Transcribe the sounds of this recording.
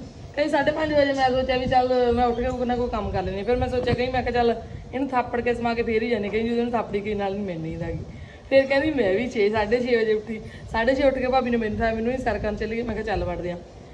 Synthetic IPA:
kẽĩːsaːɖeːpãnd͡ʒ̪eʋd͡ʒeːmɛ̃ːsoːt͡ʃɛːliːt͡ʃəlmɛ̃ːʊʈʰkeːkɪnãːkokəmkəɾleːnẽːpʰɪɾmɛ̃ːsoːt͡ʃãːkəĩːmɛ̃ːkʰaːt͡ʃəlɪnũːt̪ʰaːpːəɽkeːsəmãːkeːpʰeːɾiːd͡ʒaːnẽːkə̃ĩːd͡ʒoɪnũːt̪ʰaːpːɽiːkənaːlnĩːmɛ̃ːniːnaːɡiː | pʰɪɾkɛ̃ːiːmɛ̃ːʋiːt͡ʃʰeːsaːɖeːʃʰeːʋəd͡ʒeːʊʈʰːiː | saːɖeːʃʰeːʊʈʰkeːpaːbiːnũːmẽːnuːt̪ʰaːmẽːnũːiːsəɾkənt͡ʃəliːmɛ̃ːkat͡ʃəlʋəʈd̪eːãː

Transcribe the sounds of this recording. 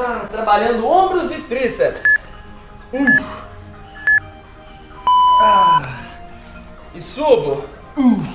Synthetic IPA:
at̪ɾabaʎɐ̃nd̪ʊõbɾʊzɪt̪ɾisɛps | u | a | ɪsubʊ | u

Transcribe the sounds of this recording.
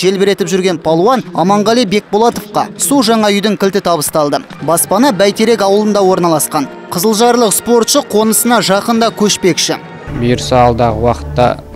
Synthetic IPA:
ʒe̞lbeɾe̞t̪ɪpʒʏɾɡʲe̞npʰɑlˠwɑnɑ̰mɑɴʁɑlˠijbe̞k̚bolˠɑt̪ofqɑ̰suʒɑɴɑʏjd̪ɪŋkʲʰɪlt̪ɪt̪ʰɑbəst̪ɑlˠd̪ə | bɑspɑnɑbæjt̪e̞ɾe̞kɑwəlˠənd̪ɑwo̞ɾnɑlˠɑsqɑn | qʰəzəlˠʒɑɾlˠəqspo̞ɾt̪ʃəqʰo̞nəsənɑʒɑqənd̪ɑkʲʰɵʃpe̞kʃɪ̰ | bijɾəsɑlˠd̪ɑʁəwɑqə̥t̪ːɑ̰

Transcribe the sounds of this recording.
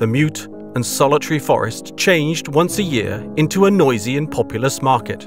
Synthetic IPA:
ðəmjʉˑt | ə̃nsɑlˠətʰəɹifɒ̰ɹɪ̰s | t͡ʃʰẽɪ̃nd͡ʒd̚wʌ̃nsɨjɪ̰ɹɪ̃ntʰuənɔɪziɨ̃npʰɒpʰjl̩ˠəsmɑɹkɪ̰t̚

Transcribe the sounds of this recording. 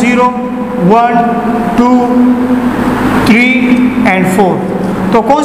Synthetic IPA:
iɾo | wən | ʈu | t̪ʰɾiɛ̃ɳɖfoɾ | t̪okɔ̃

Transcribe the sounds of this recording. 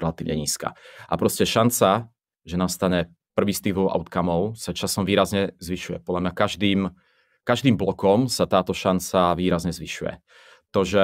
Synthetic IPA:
ɾɛlat̪iːʋɲɛɲiːska̰ːʔapɾɔscɛʃant͡sa | ʒɛnast̪aɲɛ | pr̩ʋiːst̪ivɔʊʔa̰ʊt̪kamɔʊsat͡ʃasɔmʋiːɾazɲɛzʋiʃujɛ̰pɔd̪ʎamɲakaʒd̪iːm | kaʒd̪iːmblɔkɔmsat̪aːt̪ɔʃant͡saʋiːɾazɲɛzʋiʃujɛ̰ | t̪ɔʒɛ

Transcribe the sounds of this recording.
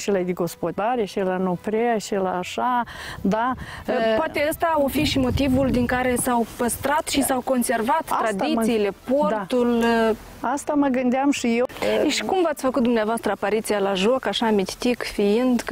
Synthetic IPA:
ʃilad̪iɡo̞spod̪aɾeʃilanopɾeaʃilaːʃad̪apoat̪e̞əst̪aofiʃimo̞t̪ivuld̪iŋkaɾe̞sawpəst̪ɾat̪ʃisawko̞nse̞rvat̪t̪ːɾad̪it̪siːle̞po̞rat̪ul | ast̪aməɡɨnd̪eamʃijeʃi̥kumvat̪sʲfəkut̪̚d̪umneavoast̪ɾəapaɾit̪sijalaʒo̞kaʃamit̪ʲt̪ikfiind̪

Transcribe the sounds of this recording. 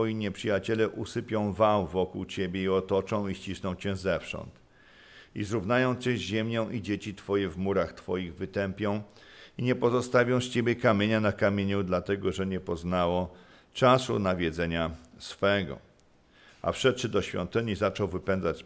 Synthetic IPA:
ɔjiɲɛpʂɘjat͡ɕɛlɛʔusɘpʲjɔ̃w̃vawvɔkuwt͡ɕebʲjeiɔt̪ɔt͡ʂɔ̃w̃iɕt͡ɕisnɔ̃w̃t͡ɕɛ̃zɛfʂɔ̰nt̪ | izɾuvnajɔ̃w̃t͡ɕɛ̃ʑɛmʲɲɔ̃w̃ʔid͡ʑet͡ɕit̪fɔjɛvmuɾaxt̪fɔjiɣvɘt̪ɛmpʲjɔ̃w̃iɲɛpɔzɔst̪avʲjɔ̃w̃st͡ɕebʲjɛkamʲjeɲanakamʲjeɲud̪lat̪ɛɡɔʐɛɲɛpɔznawɔ | t͡ʂasṵnavʲjɛd̪zɛɲasfɛɡɔ̰ | a̰fʂɛt̪̚t͡ʂɘd̪ɔɕfʲjɔ̰nt̪ɘɲizat͡ʂɔwvɘpɛnd̪zat͡ɕ

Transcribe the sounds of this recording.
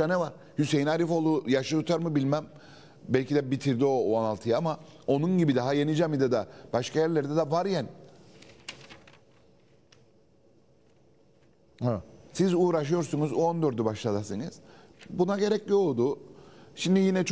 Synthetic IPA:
anɛvaɾ̥ | hyse̞jinaɾifo̞lˠujaʃˠɯt̪ʰut̪ʰaɾmɯbilʲmæm | bɛlʲcʰid̪ɛbit̪ʰiɾd̪io̞analˠt̪ʰɯjamao̞nunɟibid̪aɦajenid͡ʒɛmid̪ɛd̪ab̥aʃkʰajæɾlʲeɾd̪ɛd̪ɛvaɾjæn | hasizuːɾaʃɯjo̞ɾsunuzuond̪øɾd̪ybaʃlˠad̪asɯnɯz̥bunaɟe̞ɾɛclʲio̞lˠd̪ʊʃimd̪ijinɛt͡ʃʰ

